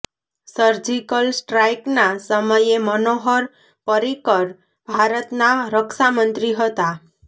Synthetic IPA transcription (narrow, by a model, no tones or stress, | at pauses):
səɾd͡ʒikəlsʈɾajknasəməjemənoɦɔɾ | pəɾikəɾ | bʱaɾət̪naɾəksamənt̪ɾiɦət̪a